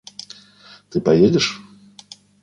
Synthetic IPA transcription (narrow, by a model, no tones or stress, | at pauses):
t̪ɨpajed͡zʲɛʂ